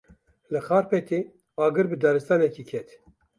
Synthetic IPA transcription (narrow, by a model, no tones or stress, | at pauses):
lɨxɑːɾpɛt̪e | ɑːɡɨɾbɨd̪ɑɾɨst̪ɑːnɛkikʰɛt̪